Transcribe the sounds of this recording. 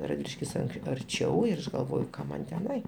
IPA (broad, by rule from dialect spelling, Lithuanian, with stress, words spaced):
rɐdʲˈʋʲɪlʲɪʃʲkʲɪs ɐŋk ɐrʲˈt͡ʃʲɛʊ ɪr ˈɐʃ ɡɐlˠˈʋoːjʊ ˈkɐm mɐn tʲɛˈnɐɪ